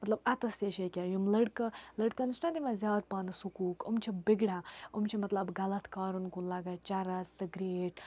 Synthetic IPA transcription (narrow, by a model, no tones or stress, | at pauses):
mɐt̪lɐbɐt̪ɐseʃekʲajumlɐɽkɐlɐɽkɐnsʈɐd̪imãzjaːd̪̚paːnɐsukuːkumt͡ʃʰibiɡɽãːumt͡ʃʰimɐt̪lɐbɡɐlɐt̪ʰkaːɾunkulɐɡɐt͡ʃɐɾɐsɐɡɾeːɖ